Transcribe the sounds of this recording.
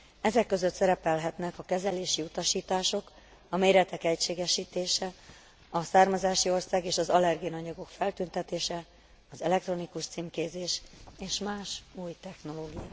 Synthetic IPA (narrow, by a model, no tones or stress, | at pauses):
ɛzɛkːø̞zøt̪sɛɾɛpɛlɦɛt̪nɛkɒkɛzɛleːʃiut̪ɒʃiːt̪aːʃo̞k | ɒmeːɾɛt̪ɛkɛcʃeːɡɛʃiːt̪eːʃɛ | ɒsaːrmɒzaːʃio̞rsaːɡeːʃɒzɒlɛrɡijnɒɲɒɡo̞kfɛlt̪ynt̪ɛt̪eːʃɛ | ɒzɛlɛk̚t̪ro̞nikuʃt̪siːmkeːzeːʃeːʃmaːʃuːjt̪ɛxno̞loːɡija